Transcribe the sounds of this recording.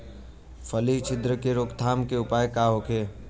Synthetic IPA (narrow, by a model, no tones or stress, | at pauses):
fʰəlit͡ʃʰɪd̪ɾəkeɾoːkt̪ʰaːmkeʊpaːjkaːɦoːkʰeː